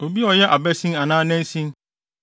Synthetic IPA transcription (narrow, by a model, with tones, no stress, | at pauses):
o˨bi˦ɔ˨jɛ˦ʔa˨bɛ˦sĩ˦a˨nãː˦nɛ̃˦n˦sĩ˦n